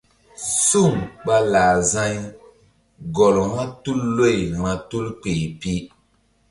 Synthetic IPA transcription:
su˦˨mk͡pa˦laː˨zã˦ɲ | ɡɔ˨lŋa˦tu˦lːo˦˨jmã˨tu˦lk͡pe˨pi˦

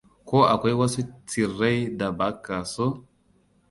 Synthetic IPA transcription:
ko˦ʔa̰˨kʷe˦jwa˦se˦t͡si˨rːe˦jda˨ba˨˦kːa˨so˦

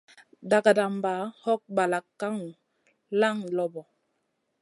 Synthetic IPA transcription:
da˨ɡa˨da˨mba˨˦hɔ˦k̚ba˨la˨kːa˦ŋ˨ | la˦ŋlɔ˨bɔ˨

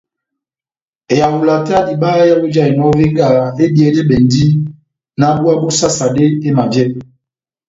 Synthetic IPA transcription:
e˨ja˨hu˨la˨ta˦di˨baː˦ja˦bo˦d͡ʒa˦˨e˨nɔ˦ve˦ŋɡa˦˨e˦bi˨e˨˦de˦bɛ˨n˦di˦ | na˦bu˦a˦bo˦sa˦sa˨de˦e˦ma˨d͡ʒɛ˦

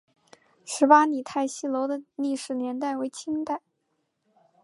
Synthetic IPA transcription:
ʂɻ̩˧˥pa˥ni˨˩t̪ʰa˥˩ɪɕi˥lo˧˥ʊd̪ə˧li˥˩ʂɻ̩˨˩njɛ˧˥nt̪a˥˩ɪwe˧˥ɪt͡ɕʰi˥ŋt̪a˥˩ɪ

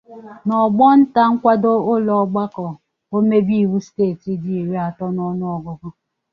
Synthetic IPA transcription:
nɔ˨ɡ͡bɔ˦n̩˦ta˦ŋ̩˦kʷa˦do˦ʊ˦lɔ˨ɡ͡ba˦kɔ˨ | o˦me˦bi˦i˨wu˦steː˦˨ti˦di˦i˨ɾe˦a˨tɔ˦nɔ˦nʊ˦ɔ˨ɡʊ˨ɡʊ˦

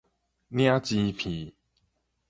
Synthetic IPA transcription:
nj̃ã˦t͡ɕi˧pʰi˨˩˦

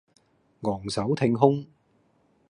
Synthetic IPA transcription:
ŋɔː˨˩ŋsɐ˨˥wt̪ʰɪ˧ŋɦʊ˥ŋ

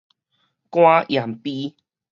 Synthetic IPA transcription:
kw̃ã˦ʔja˨˩mpi˦

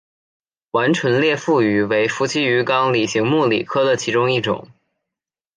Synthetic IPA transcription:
wa˧˥nʈ͡ʂʰwə˧˥nljɛ˥˧fu˥˩y˧˥we˧˥ɪfu˧˥t͡ɕʰi˥y˧˥kɑ˥ŋli˨˩ɕi˧˥ŋmu˥˩lḭ˨˩kʰɤ˥d̪ə˨t͡ɕʰi˧˥ʈ͡ʂʊ˥ŋi˥˩ʈ͡ʂʊ̰˨˩˦ŋ

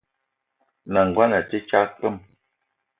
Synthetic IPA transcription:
na˨ŋ̩˨ɡwa˦na˨ti˦t͡ʃa˦kə˦˨m

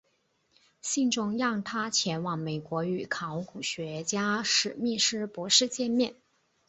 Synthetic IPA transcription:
ɕi˥˧ŋʈ͡ʂʊ˧˥ŋjɑ˥˩ŋt̪ʰa˥t͡ɕʰjɛ˧˥nwɑ˨˩ŋme˨˩ɪkwɔ˧˥y˨˩kʰɑ˧˥ʊku˨˩ɕɥɛ˧˥t͡ɕja˥ʂɻ̩˨˩mi˥˩ʂɻ̩˥˩pwɔ˧˥ʂɻ̩˥˧t͡ɕjɛ˥˧nmjɛ˥˩n

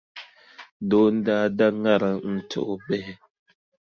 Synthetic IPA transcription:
do˨˦n̩˦daː˦da˦ŋa˦˨ɾa˨n̩˦˨t͡ʃo̰˦ʔo˦bɛ˦hɛ˦

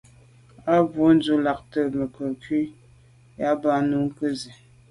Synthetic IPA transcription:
a˦bu˨˦n̩˦d͡zu˦la˨k̚tə˦˨mə˨kə˨ki˦ | ja˦ba˦nu˨˦ŋ̩˦kə˦ze˨

